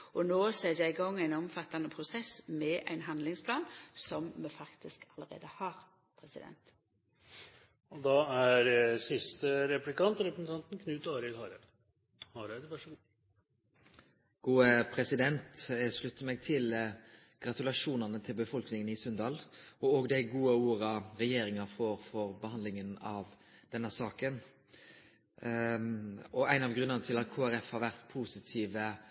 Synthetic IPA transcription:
ʔɔnoːsɛjæɪɡɔŋːæɪnɔmfɑt̪ːɑnəpʰʁʊsɛsmɛʔæ̰ɪnɦɑnd̪lɪŋspʰlɑːnsɔmmɛfɑkt̪ɪskɑləʁḛːd̪əhɑːʁ | pʰʁɛsɪd̪ɛ̰nt̪ | ɔd̪ɑæɾsɪst̪əɾɛplɪkɑnt̪ɾɛpɾsn̩ɑnt̪n̩kʰnʉːt̪ɑːɾɪlhɑːɾ | hɑːɾæd̪ʋæʂəɡ | ɡ̥uːəpʰɾɛsɪd̪ɛnt̪ʂlʉt̪ːəmeːɡ̚t̪ʰɪl | ɡ̥ʁɑt̪ʉlɑʂuːnəʁnət̪ʰɪlbəfɔlknɪŋənɪsœnd̪ɑːlɔoːɡd̪æɪɡuːəuːɾɑɾɛjeːɾɪŋɑfoːʁfɔɾbəhɑnd̪lɪŋənɑʋ | d̪̥ɛnːəsɑːkən | ɔæɪnɑʋɡʁʉnːəʁnət̪ʰɪlɑt̪̚kʰoːæɾɛfhɑːʁʋæʁt̪pʰuːsɪt̪ʰiːʋə

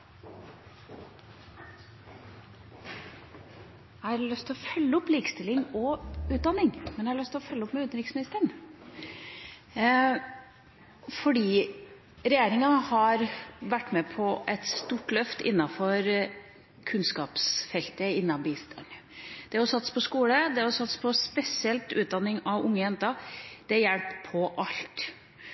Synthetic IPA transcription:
æɑɾlœst̪ʰɪlɔfœlːəɔpːliːkəst̪ɪlːɪŋɔʉːt̪̚d̪ɑnːɪŋmɛnjɛhɑɭœst̪ʰɪlɔfœlːəɔpːmɛʉnt̪nɾɪksmɪnɪst̪əɳ | fɔɖiː | ɾɛjeːɾɪŋɑhɑɾʋæʈːmɛpʰɔʔɛt̪st̪uːʈlœft̪ɪ̰nːɑfɔɾ | kʰʉnskɑːpsfɛlt̪əɪnːɑbist̪ʰɑ̰ɳ | d̪̥ɛɔsɑt̪ːspʰɔskuːləd̪ɛɔsɑt̪ːspʰɔspɛsɪɛlt̪ʉːt̪̚d̪ɑnːɪŋɑʋʊŋːəjɛnt̪ɑd̪̥ɛjɛlppʰːɔʔɑlt̪

